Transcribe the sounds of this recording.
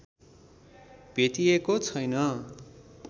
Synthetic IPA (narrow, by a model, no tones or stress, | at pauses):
bʱet̪iekot͡sʰʌjnʌ